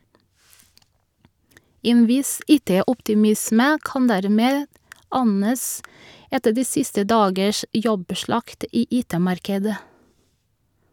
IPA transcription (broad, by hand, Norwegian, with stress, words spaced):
ˈeːn ˈʋɪs ˈiːˌteːʊptɪˌmɪsmə ˈkɑn ˈdæɾˌmeːd ˈɑnəs ˈɛtə ˈdiː ˈsɪstə ˈdɑːɡəʃ ˈjɔbˌʃɭɑkt ˈiː ˈʔiːˌteːˌmɑɾkədə